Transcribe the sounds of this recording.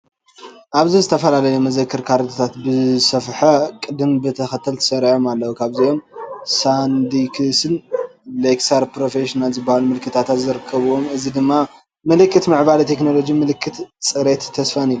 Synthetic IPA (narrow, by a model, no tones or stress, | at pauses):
ʔaβzizɨt̪ʰɐfɐlalɐjumɐzɐkʰːɨɾkʰaɾɨt̪ʰot̪ʰat̪bɨsɐfħɐkʼɨd̪ɨmbɨt̪ʰɐxɐt̪ʰːɐlt̪ʰɐ̥sɐɾʕo̞malːɐwukʰaβzijo̞msand̪ikʰɨsɨnleksaɾpɾo̞feʃinalzɨbːahalumɨlkʰɨt̪ʰat̪ʰat̪zɨɾɨkʰːɐβuwomɨzid̪ɨmːa | mɨlɨkːɨt̪mɨʕbalt̪ʰe̞kno̞lo̞d͡ʒimɨlɨkʰːɨt̪sʼɨɾet̪ʰːɐsfanilːu